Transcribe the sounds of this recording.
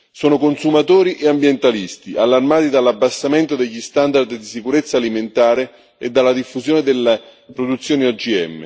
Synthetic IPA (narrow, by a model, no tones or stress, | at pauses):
sɔːnokonsumat̪oːɾiʔeambjent̪alist̪ialːarmaːt̪id̪alabːasːament̪od̪eʎːist̪and̪ard̪d̪isikuɾet̪sːaːliment̪aːɾe | ed̪ːalːad̪ifːuzjoːned̪elːepɾod̪ut̪sːjoːniɔd͡ʒiɛ̰mːḛ